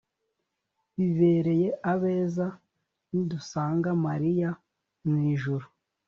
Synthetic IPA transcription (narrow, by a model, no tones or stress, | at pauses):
βive̞ːɾe̞je̞ʔaβeːza | nidusaːŋɡamaɾija | mwiːʒuɾu